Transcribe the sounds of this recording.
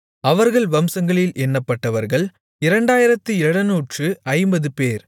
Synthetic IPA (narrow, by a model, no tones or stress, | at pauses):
ɐʋɐɾɣɐɭʋɐmsɐŋɡɐɭɪlʔɛnːɐpːɐʈːɐʋɐɾɣɐɭ | ɪɾɐɳɖaːjɪɾɐt̪ːɯɪɻɐnuːʈrɯɐɪmbɐðɯpeːɾ